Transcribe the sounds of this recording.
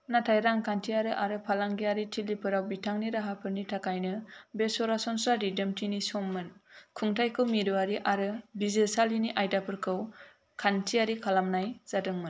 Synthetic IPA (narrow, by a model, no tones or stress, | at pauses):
natʰajɾaŋkʰantʰiaɾɯʔaɾɯpʰalaŋɡiaɾitʰilipʰɯɾawbitʰaŋniɾaɦapʰɯɾnitʰakʰajnɯbesɔɾasɔnsaɾidemtʰinisɔmːɯnkʰuŋtʰajkʰɯwmiɾɯwaɾiʔaɾɯbizesaliniʔajdapʰɯɾkʰɯw | kʰantʰiaɾikʰalamnajz̥adɯŋmɯn